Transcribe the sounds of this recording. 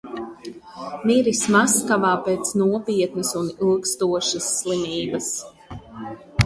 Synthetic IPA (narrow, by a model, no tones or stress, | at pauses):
miɾismaskavaːpeːt̪snuɔpʲiɛt̪nɨsunilˠkst̪uɔʃɐsːlˠimiːbɐs